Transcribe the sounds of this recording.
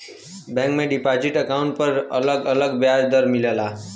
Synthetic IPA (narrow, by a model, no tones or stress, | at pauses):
bɛ̃ŋkmeɖipad͡ʒiʈəkauɳʈ̚pəɾə̰ləɡələɡbjad͡ʒd̪əɾmilela